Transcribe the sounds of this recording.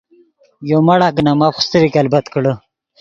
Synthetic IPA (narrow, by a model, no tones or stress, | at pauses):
jomɐɽaknamapxst̪əɾikalbɐt̪kəɽə